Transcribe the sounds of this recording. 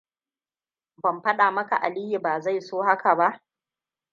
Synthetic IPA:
bɐ˨mɸɐ˦ɗaː˨mɐ˦ka˨ʔa˨liː˦ji˨baː˨za˦˨jsoː˦ha˦ka˨ba˦ʔ

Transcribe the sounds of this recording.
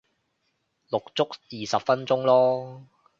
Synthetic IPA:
lʊ˨k̚t͡sʊ˥k̚jiː˨˩sɐ˨p̚fɐ˥nt͡sʊ˥ŋlɔː˥

